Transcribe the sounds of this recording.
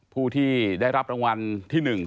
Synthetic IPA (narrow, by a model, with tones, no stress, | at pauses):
pʰuː˥˩t̪ʰiː˥˩da˥˩jɾa˦˥p̚ɾa˧ŋwa˧nt̪ʰiː˥˩nɯ˨˩ŋ